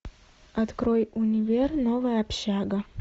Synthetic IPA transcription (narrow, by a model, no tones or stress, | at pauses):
ɐt̪kɾojʊnʲɪvʲernovɨjɐpɕaɡə